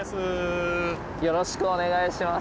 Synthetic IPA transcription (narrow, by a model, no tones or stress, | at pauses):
sɨ | jo̞ɾo̞ɕi̥kɯone̞ɡaiɕima